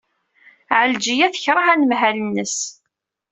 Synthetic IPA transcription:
ʕəld͡ʒijæθə̥çɾˤɑhænəmɦælənːəs

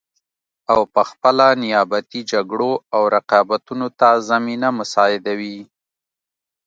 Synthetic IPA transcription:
awpəxpəlanɪjɑbat̪id͡ʒaɡɽoawɾaqɑbat̪unot̪azaminamʊsɑɪd̪awi

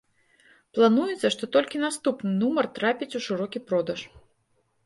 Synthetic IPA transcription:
plˠanujɛt̪sːɐʂt̪ɔt̪ɔlʲkʲinast̪upnɨnumɐrt̪ɾapʲit͡sʲuʂɨɾɔkʲipɾɔd̪ɐʂ

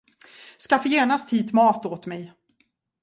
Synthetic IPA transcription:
skafəjeːɳast̪hiːt̪mɑːt̪oːt̪mɛj

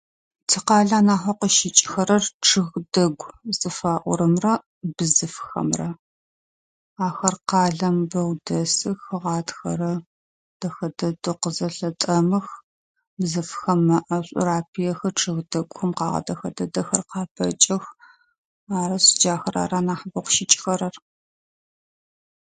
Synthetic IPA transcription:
tʰiːqɑːɮaːnaːħʷɐqəʃɪt͡ʃʼxɐɾɐrʈ͡ʂʰɨɣdɐɡʷzʼɨfaːʔʷʊ̰ɾɨmrɐ | bɨzɨfxɐ̰mrɐ | aːxɐrqɑːɮɐmbɐwdɐsɨxɨʁɑːtxɐ̰ɾɐ | d̥ɐxɐdɐdoqəzɐɬɐtʼɐmɨx | bzɨfxɐmːɐʔɐɕʷʼʊ̰ɾaːpʰijɛxɐʈ͡ʂʼʰɨɣdɐɡʷʊxɐmqɑ̰ːʁɐ̰dɐxɐ̰dɐdɐxɐrqɑːpʰɐ̰t͡ʃʼɐx | aːɾɐɕʼɪd͡ʒaːxɐra̰ːɾaːnaːħbɐqʷʃɪt͡ʃʼxɐɾɐr

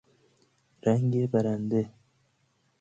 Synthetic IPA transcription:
ɾaŋɡebaɾand̪e

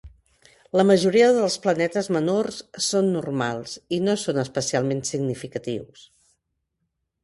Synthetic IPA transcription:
ləməʒuɾiəðəlˠsplənɛt̪əzmənorssonːurmalˠsinosonəspəsialˠmensiɡnifikət̪ḭws

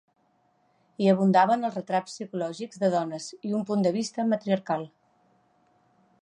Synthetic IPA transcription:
iəβ̞und̪aβənəlˠrət̪ɾapsːikulɔʒiɡzðəðɔnəziumpund̪əβist̪əmət̪ɾiəɾkalˠ

